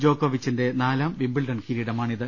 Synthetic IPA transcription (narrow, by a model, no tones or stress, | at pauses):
d͡ʑo̞ːkːoʋit͡ɕːinde̞naːlaːmʋimbiɭɖɐnkiɾiɽɐmaːɳiðɨ